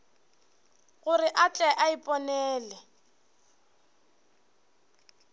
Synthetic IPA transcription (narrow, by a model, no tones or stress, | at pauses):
ɣʊrɪʔat͡ɬʼɛʔaipʼɔnɛːlɛ